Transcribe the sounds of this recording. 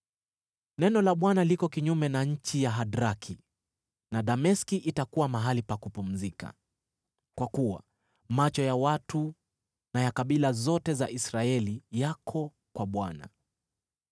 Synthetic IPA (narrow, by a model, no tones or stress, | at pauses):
nɛnɔlaɓwanalikɔkiɲumɛnaɲ̩t͡ʃijaɦaɗɾakʰi | naɗamɛskiʔitakuwamaɦalipakupum̩zika̰ | kwakuwa̰ | mat͡ʃɔjawatu | najakaɓilazɔtɛzaʔisɾaɛlijakʰɔ | kwaɓwana̰